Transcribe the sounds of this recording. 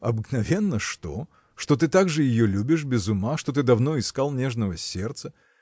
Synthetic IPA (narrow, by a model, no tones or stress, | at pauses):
ɐbɨknɐvʲe̞nːəʂt̪o̞̰ | ʂt̪o̞t̪ɨt̪aɡʐɨjɪjolʲubʲɪʂbʲɪzʊmaʂt̪o̞t̪̬ɨd̪ɐvno̞ɪskalˠnʲe̞ʐnəvəsʲert̪sə